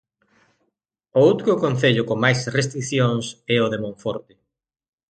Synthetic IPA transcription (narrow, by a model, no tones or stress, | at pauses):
owt̪kʊkonθeʎʊkoŋmajsrest̪ɾiθjõŋsɛʊðemõɱfɔɾt̪ɪ̥